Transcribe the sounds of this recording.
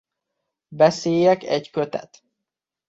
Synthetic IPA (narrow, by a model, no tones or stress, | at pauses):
bɛseːjɛkɛckøt̪ɛ̰t̪